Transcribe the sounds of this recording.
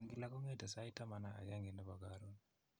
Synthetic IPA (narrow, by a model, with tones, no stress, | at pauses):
ŋɡi˦la˦kɔ˦ŋe˦ta˨sa˦i˦ta˦ma˦na˨a̰˨ja˦ŋɡi˨nɔ˦ba˨ɡaɾo˦n